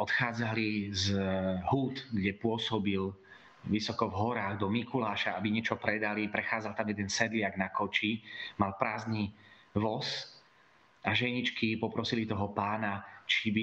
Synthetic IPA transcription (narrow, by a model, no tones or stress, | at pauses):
ʔɔt̪xaːd͡zalizɦuːt̪ɡɟɛpʊɔsɔbil | ʋisɔkɔvɦɔɾaːɣd̪ɔmikulaːʃaabiɲɛt͡ʃɔpɾɛd̪alipɾɛxaːd͡zalˠt̪amjɛd̪ɛnsɛd̪lɪaɡnakɔt͡ʃimalpɾaːzni | ʋɔs | ʔaʒɛɲit͡ʃkipɔpɾɔsilit̪ɔɦɔpaːnat͡ʃibi